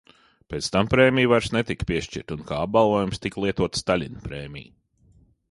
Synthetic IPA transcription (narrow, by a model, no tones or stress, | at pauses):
peːt̪st̪ampɾeːmʲijvaɾsnet̪ikpʲiɛʃt͡ʃḭɾt̪unkaːab̚balˠvoːjumst̪iklˠiɛt̪uɔt̪st̪alʲinpɾeːmʲḭj